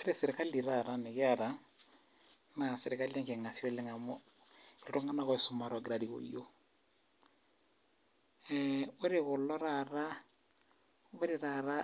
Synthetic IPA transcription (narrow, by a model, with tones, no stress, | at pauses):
e˦ɾese˨ɾeka˦li˨ɾaɾane˨ɣe˦aɾa˦ | na˨se˨ɾe˨ka˦li˦a˦ŋke˨ŋa˨sjɔ˦le˦ŋa˨mɔ˦ | lo˨to˦ŋɡa˦na˦ɣɔ˨eso˨ma˨ɾɔ˨ɡɾadiɣo̰˨jo˦ | ɛo˦ɾeɣʊ˨lɔ˦ɾaɾa˦ | βe˦ɾe˨ɾaɾa˦